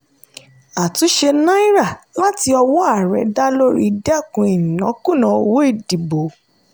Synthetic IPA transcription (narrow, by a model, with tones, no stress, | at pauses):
a˨tũ˨˦ʃe˧nã˦i˦ɾa˦˨la˦ti˧ɔ˧wɔ˦a˦˨ɾɛ˨˦da˦lo˦ɾḭ˦dɛ˦˨kũ˧˦i˨nĩ˨nã˨˦kũ˦˨nã˨˧˦o˧wo˦i˦˨di˨bo˨